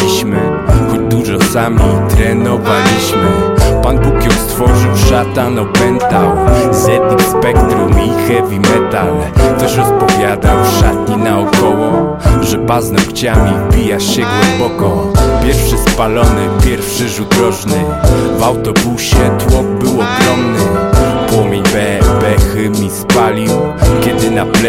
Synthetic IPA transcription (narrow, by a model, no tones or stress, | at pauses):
iɕmɘ | xɔd̪uʐɔsamʲit̪ɾɛnɔvalʲiɕmɘpanbukjɔwst̪fɔʐɨwʂat̪anɔpɛnt̪awzjɛd̪nixspɛkt̪ɾumixɛvʲimɛt̪al | t̪ɛʃɾɔspɔvʲjad̪awʂat̪ɲinaɔkɔwɔ | ʐɛpaznɔkt͡ɕamʲivbʲijaɕɕɛɡwɛmbɔkɔpʲjɛɾfʂɘspalɔnɘpʲjɛɾfʂɘʐud̪ɾɔʐnɘ | vawt̪ɔbuɕɛt̪wɔɡ̚bɘwɔɡɾɔmnɘpwɔmʲjeɲbɛxmʲispalʲiwkʲjɛd̪ɘnapl